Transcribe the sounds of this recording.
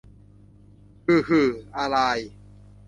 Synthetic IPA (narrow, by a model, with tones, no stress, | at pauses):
kʰɯː˧˩kʰɯː˧˩ʔa˧ɾa˧j